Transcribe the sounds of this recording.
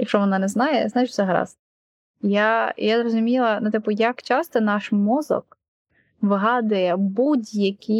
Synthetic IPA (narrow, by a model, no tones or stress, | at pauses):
jɐkʃt͡ʃɔʋɔnɑnɛznɑjɛznɑjɪt͡ʃsɛɦɐɾɑ̰s | ja̰jazrɔzʊmʲilˠɐnʊt̪ɪpʊjɐkt͡ʃɑst̪ɔnɑʃmɔzɔ̰k | ʋɪɦɑd̪ɐjɛbudʲjɐkʲi